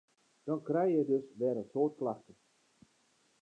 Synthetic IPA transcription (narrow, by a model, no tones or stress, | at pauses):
d̥ɔnkrɛjjɛjdøsʋɛːdəsoːtklaxtə